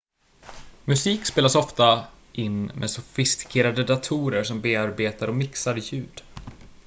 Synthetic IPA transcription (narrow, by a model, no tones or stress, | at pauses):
mɵsiːkspeːlasɔft̪a | ʔɪnːmʔɛ̰sʊfɪst̪ɪ̥kʰeːɾad̪əd̪at̪ʰuːɾəɾʂɔmbeːaɾbeːt̪aɾɔmɪksaɾjʉ̟ːd̪